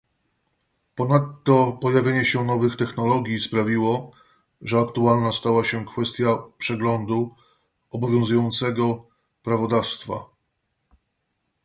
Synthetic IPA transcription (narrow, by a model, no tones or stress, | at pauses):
pɔnat̪ːɔpɔjavʲjeɲɛɕɛnɔvɘxt̪ɛxnɔlɔɡʲjispɾavʲiwɔ | ʐɛakt̪ualnast̪awaɕɛkfɛst̪ʲjapʂɛɡlɔnd̪u | ɔbɔvʲjɔ̃w̃zujɔnt̪sɛɡɔ | pɾavɔd̪afst̪fa̰